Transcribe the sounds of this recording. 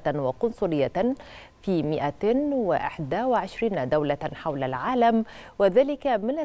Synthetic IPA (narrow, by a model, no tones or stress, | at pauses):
nwɪqʊnsˤʊɾɪjːa | fiːmɪʔawɪʔɪ̰ħd̪awɪʕɪʃɾiːnad̪awlaħawlalʕaːlam | wɪðaːlɪkamɪna